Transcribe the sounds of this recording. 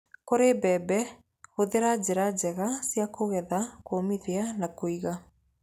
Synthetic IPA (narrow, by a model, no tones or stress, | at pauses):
koɾebɛbɛ | oðeɾad͡ʑeɾad͡ʑɛɣasjakoɣɛðakomiðeanakoiɣa